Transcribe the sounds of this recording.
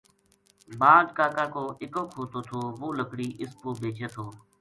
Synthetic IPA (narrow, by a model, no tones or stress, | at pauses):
baːɖkaːkaːkoːʔɪkoːkʰoːt̪oːt̪ʰoːʋoːləkɽiːʔɪspoːbʱeːt͡ʃeːt̪ʰoː